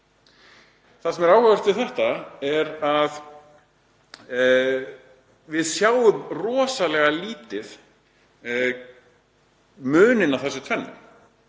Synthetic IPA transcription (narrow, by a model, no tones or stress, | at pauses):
θasɛmɛɾaːwhavɛr̥t̪ɪðθɛht̪aɛɾað | vɪðsjaːwʏmrɔːsalɛɣaliːt̪ɪð | mʏːnɪnːaθɛsːʏt̪ʰvɛnːʏ̰m